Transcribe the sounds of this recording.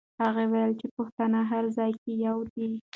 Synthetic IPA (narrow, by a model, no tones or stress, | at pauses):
haɣawajəlt͡ʃepoxt̪anaɦaɾzɑjkejawd̪i